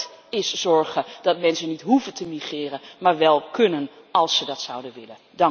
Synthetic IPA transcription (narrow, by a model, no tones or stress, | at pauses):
ɪsz̥ɔɹχəd̥ɑtmɛnsənitɦuvəntəmiχɪːrənmaːɹʋɛlˠkʰɵnən | ɑlˠsədɑtsʌwdəʋɪlə | dɑŋ